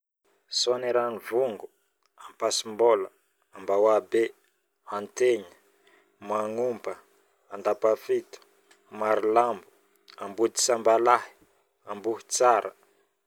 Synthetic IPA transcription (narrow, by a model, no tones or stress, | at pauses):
soaneɾanivuŋɡu | ampasimbolə | ambawabe | ant̪eɲə̥ | maŋumbə | and̪apafit̪u̥ | maɾilambu̥ | ambud̪i̥sambalahi̥ | ambuhi̥t͡saɾə̰